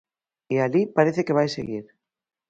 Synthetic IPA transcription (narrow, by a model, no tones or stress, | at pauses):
ealipaɾeθekeβ̞ajsḛɣiɾ